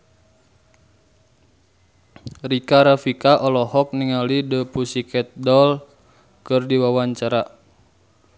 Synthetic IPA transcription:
rikaɾafikaʔɔlɔhɔk̚niŋalidəpusikɛt̪̚dɔl | kɨrdiwawaɲt͡ʃaɾa

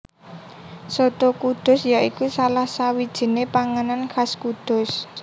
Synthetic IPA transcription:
sot̪okud̪̥ʊ̤sjaikusalahsawid̥ʒ̥i̤nepaŋənanxaskud̪̥ʊ̤s

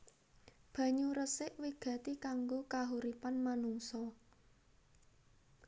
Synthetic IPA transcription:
b̥ä̤ɲuɾəsɪʔwiɡ̥a̤t̪ikaŋɡokaɦuɾipanmanuŋsɔ

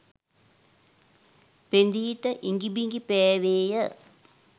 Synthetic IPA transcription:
pend̪iːʈəʔiŋɡibiŋɡipɛːʋeːjə

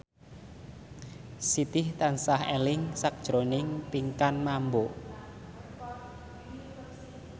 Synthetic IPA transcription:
sit̪ɪht̪ansahelɪŋsak̚d̥ʒ̥ɾonɪŋpiŋkanmambo

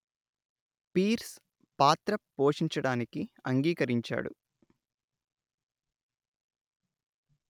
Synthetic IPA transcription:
piːɾs | paːt̪ɾɐpoːʂiɲt͡ʃɐɽaːnikiɐŋɡiːkɐɾiɲt͡ʃa̰ːɽṵ

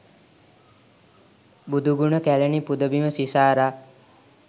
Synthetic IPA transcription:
bud̪ʱuɡunəkælənipud̪əbiməsisaːɾa

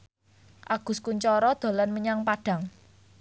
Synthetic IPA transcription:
ʔaɡ̥ʊ̤skuɲt͡ʃɔɾɔd̪̥o̤lanməɲaŋpaɖ̥a̤ŋ

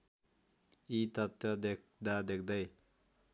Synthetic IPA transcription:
it̪ʌt̪ːjʌd̪ek̚d̪ad̪ek̚ʰd̪ʌj

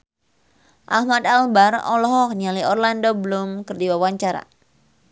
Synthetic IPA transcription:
ʔahmat̪albarɔ̰lɔɦɔknialiʔɔrlandobəlʊmkɨrdiwawaɲt͡ʃaɾa̰

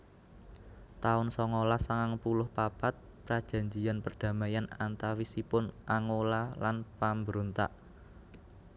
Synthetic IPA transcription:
t̪aʊnsɔŋolasaŋaŋpulʊhpapat̪̚ | pɾad̥ʒ̥ä̤ɲd͡ʒianpərd̥ä̤majanant̪awisipʊnʔaŋolalanpambəɾont̪a̰ʔ

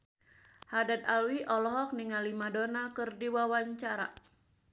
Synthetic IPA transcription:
hadat̪alwiʔɔlɔɦɔk̚niŋalimadonakɨrdiwawaɲt͡ʃaɾa̰

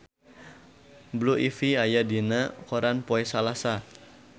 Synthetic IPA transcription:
bluʔifiajadinakoɾanpoɛsalasa

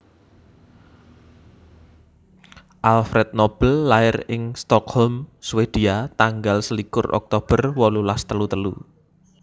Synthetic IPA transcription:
ʔalfɾɛt̪̚nob̥əlːaɪrɪŋst̪ɔkhɔlmswed̪̥iat̪aŋɡalsəlikʊrɔ̰k̚t̪ob̥ərwɔlulast̪əlut̪əlu

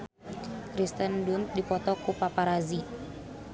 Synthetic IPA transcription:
kɾist̪əndunt̪̚dipɔt̪ɔkupapaɾazi

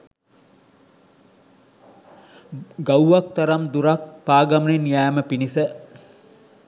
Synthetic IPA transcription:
ɡawʋakt̪aɾamd̪uɾak̚paːɡaməninjaːməpinisə

